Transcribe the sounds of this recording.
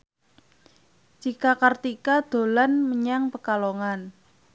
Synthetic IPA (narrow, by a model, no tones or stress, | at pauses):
d͡ʒikakart̪ikad̪̥o̤lanməɲaŋpəkaloŋan